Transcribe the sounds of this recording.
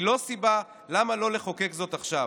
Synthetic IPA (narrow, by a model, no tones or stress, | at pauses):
lo̞siba | lamalo̞le̞χokekzo̞t̪aχʃa